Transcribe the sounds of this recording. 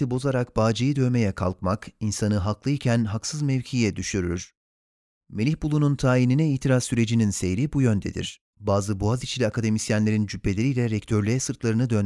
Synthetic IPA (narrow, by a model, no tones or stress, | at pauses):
ibo̞zaɾakbaːd͡ʒajid̪ø̞me̞jɛkʰalˠkmakinsanɯɦaklˠɯicʰænɦaksɯzmɛvcʰijɛd̪yʃyɾyɾ̥ | me̞lʲiçbulˠununt̪ʰaːininɛiːt̪ʰiɾassyɾe̞d͡ʒininse̞jɾibujø̞nd̪ḛd̪ḭɾ̥ | baːzɯbuazit͡ʃʰilʲiakʰad̪e̞misjænlʲe̞ɾind͡ʒypʰːe̞lʲeɾijːlʲɛɾɛct̪ʰø̞ɾlʲejɛsɯɾt̪lˠaɾɯnɯd̪øn